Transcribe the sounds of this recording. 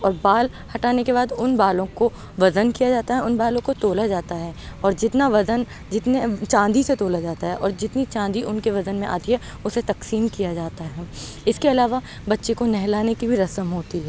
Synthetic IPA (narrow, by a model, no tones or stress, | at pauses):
ɔːɾbaːl | hɐʈaːnekebaːd̪ʊnbaːlõko | ʋɐzənkijad͡ʒaːt̪aɦɛʊnbaːlõkot̪oːlad͡ʒaːt̪aɦɛː | ɔːɾd͡ʒɪt̪naʋɐzən | d͡ʒɪt̪net͡ʃãːnd̪iset̪oːlad͡ʒaːt̪aɦɛʔɔːɾd͡ʒɪt̪nit͡ʃãːnd̪iʔʊnkeʋɐzənmẽʔa̰ːt̪iɦɛ | ʊset̪ɐksiːmkijad͡ʒaːt̪aɦɛː | ɪskeɐlaːʋa | bɐtːʃekonɛɦlaːnekibʱiɾɐsəmɦoːt̪iɦɛː